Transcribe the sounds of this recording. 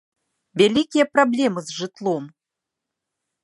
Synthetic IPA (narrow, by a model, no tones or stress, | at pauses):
vʲalʲikʲijɐpɾablʲɛmɨzʐɨt̪lˠɔm